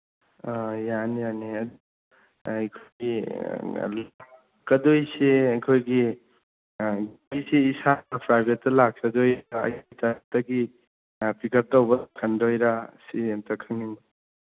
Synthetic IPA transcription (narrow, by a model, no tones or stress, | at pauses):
ajanijaniɐd̪ | ɐjkʰɡi | lakː | ɐdojseɐjkʰojɡi | ɡ | jsiːsapʰɾajbetːɐlak̚sɐdojɾaɐ̰jtatɐɡi | pikʰɐɾ̚tawbɐkʰɐndojɾasitɐkʰɐŋin